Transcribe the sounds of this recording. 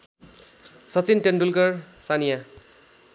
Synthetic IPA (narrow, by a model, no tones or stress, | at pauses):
sʌt͡sinʈenɖulkʌrsanija